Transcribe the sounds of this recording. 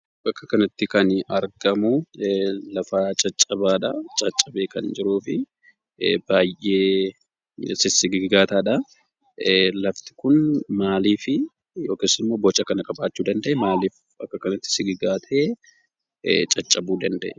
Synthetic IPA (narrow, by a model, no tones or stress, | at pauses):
bɐkːɐkɐnɐt̪ːɪkɐnɐɾɡɐmʊ | lɐfaːt͡ʃʼɐt͡ʃʼːɐbaːᶑɐt͡ʃʼɐt͡ʃʼːɐbe̞ːkɐnd͡ʒɪɾuːfɪ | baːjʔeː | sɪsɪɡɪɡɪɡaːt̪aːᶑɐ | lɐft̪ɪ̥kʊnmaːliːfɪ | jo̞ːke̞ːsːɪnmːoːbɔt͡ʃʼːɐkɐnɐkʼɐbaːt͡ʃːuːd̪ɐnd̪ɐʔɛmaːliːf | bɐkːɐkɐnɐt̪ːɪ̥sɪɡɪɡaːt̪ʰeː | t͡ʃʼɐt͡ʃʼːɐbuːd̪ɐnd̪ɐʔɛ